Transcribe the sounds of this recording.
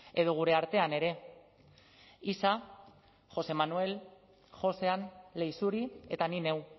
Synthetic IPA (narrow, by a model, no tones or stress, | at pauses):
e̞ðoɣ̞uɾe̞aɾt̪e̞ane̞ɾe̞ | isa | ʝo̞se̞manue̞l | xo̞se̞anle̞jsuɾie̞t̪anine̞w